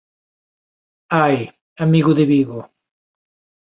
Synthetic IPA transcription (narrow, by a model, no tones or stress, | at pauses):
aj | amiɣʊðeβiɣo